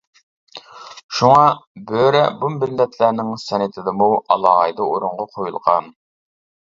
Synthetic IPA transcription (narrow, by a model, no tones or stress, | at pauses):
ʃuŋɑbøɾɛbumːɪlːɛt̪ʰlæɾnɪŋsɑnɪt̪ʰɪd̪ɨmuɑ̰lˠɑːʁɑjd̪ɑoɾuɴʁɑqʰojulˠʁɑn